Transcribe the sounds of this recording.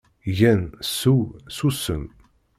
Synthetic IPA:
ʝænsuwsusə̰n

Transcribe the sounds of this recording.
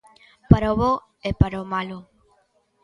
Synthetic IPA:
paɾoβo | epaɾomalo

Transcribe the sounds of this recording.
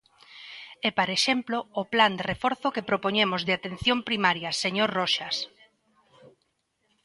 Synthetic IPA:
ɛpaɾeʃemploːpland̪erefɔɾθʊkepɾopoɲemʊzðeat̪en̟θjompɾimaɾjaseɲoɾrɔʃas

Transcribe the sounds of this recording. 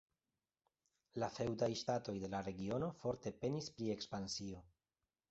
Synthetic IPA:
lafe̞wdajʃtato̞jde̞laɾe̞ɡio̞no̞fo̞ɾte̞pe̞nispɾie̞kspansio̞

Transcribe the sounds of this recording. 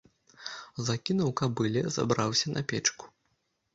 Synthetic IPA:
zakʲinɐwkabɨlʲɛza̰bɾawsʲɐnʔɐpʲɛt͡ʂku̥

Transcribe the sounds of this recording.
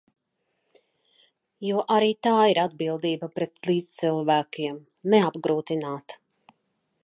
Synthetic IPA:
juɔʔaɾiːt̪aːiɾad̪̚bilˠd̪iːbapɾɛt̪liːzt̪silˠvæːkiɛm | nɛabɡɾuːt̪inaːt̪

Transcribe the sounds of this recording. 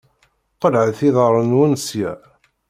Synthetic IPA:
qəlʕəθiðəɾˤənwənsjæ̰

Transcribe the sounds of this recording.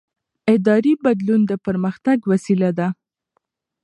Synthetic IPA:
ɪd̪ɑɾibad̪lund̪əpəɾməxt̪aɡwasilad̪a

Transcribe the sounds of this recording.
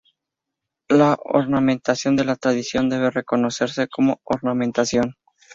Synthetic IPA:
lao̰ɾnamẽ̞nt̪asjo̞nd̪e̞lat̪ɾaðisjo̞nd̪e̞βe̞re̞ko̞no̞se̞ɾse̞ko̞mo̞oɾnamẽ̞nt̪asjo̞n

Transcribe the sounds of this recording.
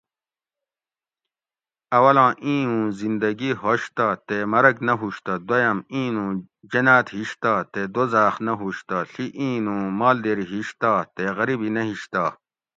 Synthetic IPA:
ɐwɐlãːʔĩːũːzind̪ɐɡiɦoɕt̪at̪emɐɾɐknɐɦuɕt̪ɐd̪wɐjɐmĩːnũː | d͡ʑɐnaːt̪ɦiɕt̪aːt̪ed̪ozaːχnɐɦuɕt̪aɬiʔĩːnũːmaːld̪eːɾiɦiɕt̪at̪eɣɐɾibinɐɦiɕt̪aː

